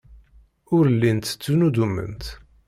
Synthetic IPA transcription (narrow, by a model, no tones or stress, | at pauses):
ʊɾəlːint̪t͡sːunud̪umːə̰nt̪